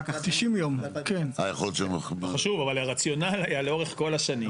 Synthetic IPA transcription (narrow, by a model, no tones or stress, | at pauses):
at̪iʃimjomkenajaχolot̪t͡ʃomaʃuvavalaʁat͡sjo̞nalhajaleo̞ʁeχko̞laʃanim